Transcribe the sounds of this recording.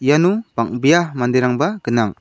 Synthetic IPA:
ijanupaŋ̚bijamandeɾaŋbaɡ̥ɯnaŋ

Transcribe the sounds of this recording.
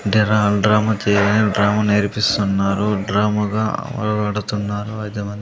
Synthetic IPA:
ɖɾaɖɾaːmɐt͡ʃeːneɖɾaːmaneːɾpist̪unːaːɾuɖɾaːmɐɡa̰ːʋɐ̰lɐɡɐɽut̪unːaːɾuɐjd̪ɐmɐnd̪i

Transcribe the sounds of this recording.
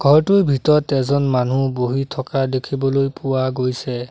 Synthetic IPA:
ɡʱɔɹtʊjbʱitɔɹɔtɛzɔnmanuboɦitʰɔkadekʰibɔlojpʊwaɡojsɛ

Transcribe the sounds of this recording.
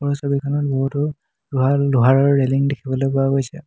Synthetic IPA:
pɔɹɔsɔbikʰɔnɔt̚boɦutʊ | luɦaluɦaɹɔɹːeliŋdekʰibɔlojpɔaɡojsɛ̰

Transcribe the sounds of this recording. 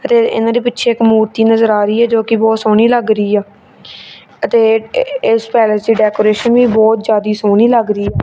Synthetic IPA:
ət̪eːɪ̰nãːd̪eːpɪtːʃʰeːɪkmuːɾt̪iːnəzəɾaːɾiːɛːd͡ʒoːkɪbɔːt̪soːɽ̃iːləɡɾəiːɛː | ət̪eːɪspɛːləsd̪iːɖɛːkoːɾeːʃənʋiːbɔːt̪̚d͡ʒjaːd̪iːsoːɽ̃iːləɡɾəiːɛː

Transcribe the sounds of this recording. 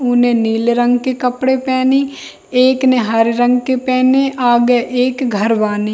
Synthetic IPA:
ʊnẽniːlɾə̃ŋɡkekɐpɽepɛːni | eːkneɦaɾɾə̃ŋɡkepɛːneʔaːɡeʔeːkɡʱɐɾbaːni

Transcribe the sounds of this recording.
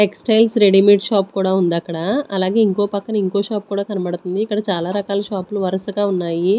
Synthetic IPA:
ʈeksʈɐjlsɾeɽimiʈʃaːpkuːɽaːund̪ɐkːɐɽaɐlaːɡe̞ːiŋko̞ːpɐkːɐnɐiŋko̞ːʃaːp̚kuːɽaːkɐnɐbɐɽut̪und̪iːkːɐɽɐt͡ʃaːlaːɾɐkaːlɐʃaːpluʋɐɾɐsɐɡaːunːaːji

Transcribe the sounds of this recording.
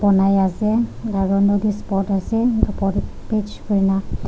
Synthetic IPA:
bɔnajasɛaɹunodispɔɹtasɛɔpɔt | pet͡ʃkoɹina

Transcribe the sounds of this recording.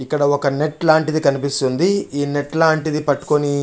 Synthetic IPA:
ikːɐɽɐɔkɐne̞ʈlaːɳʈid̪ikɐnipist̪und̪iiːneʈlaːɳʈid̪ipɐʈːu̥koni

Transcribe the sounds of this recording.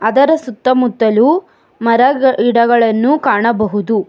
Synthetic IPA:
ɐd̪ɐɾɐsut̪ːɐmut̪ːɐlu | mɐɾɐiɽɐɡɐɭɐnːukaːɳɐbɐɦud̪u

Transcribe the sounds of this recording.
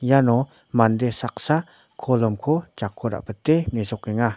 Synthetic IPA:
janɔ | mand̪esak̚sa | kʰɔlɔmkʰot͡ʃakʰːɔɾa̰ʔpət̪emezɔkːeŋa

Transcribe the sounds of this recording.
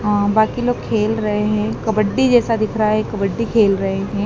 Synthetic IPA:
ɦãːbaːkiloːɡ̚kʰeːlɾɐɦeɦɛ̃ːkɐbəɖːid͡ʒɛːsad̪ɪkʰɾɐaɦɛ̃kɐbəɖːikʰeːlɾɐɦeɦɛ̃ː

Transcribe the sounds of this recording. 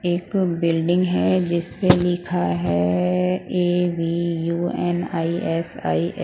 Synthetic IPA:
eːkbɪlɖɪ̃ŋɡɦɛd͡ʒɪspelɪkʰaɦɛ | eːʋiːjuːɛnaːiɛsa̰ːiʔ

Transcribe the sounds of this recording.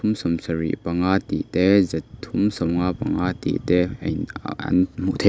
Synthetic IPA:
tʰumsɔmsɐɾḭʔpɐŋat̪ḭʔtɛzɐt̪ʰːumsɔmŋapɐŋat̪ḭʔt̪ɛɐ̰jnɐ̰nm̥uʔt̪ʰe

